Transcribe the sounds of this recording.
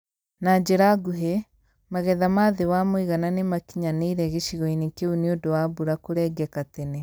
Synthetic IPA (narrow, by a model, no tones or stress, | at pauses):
nad͡ʒeɾaɡuɦe | maɣɛðamaːðewamoiɣananemakiɲaneiɾɛɣeʃiɣɔinikeuniodowaβuɾakoɾɛːɡɛkatene